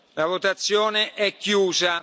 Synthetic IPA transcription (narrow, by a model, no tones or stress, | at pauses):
lavot̪at̪sːjoːneʔɛkːjuːza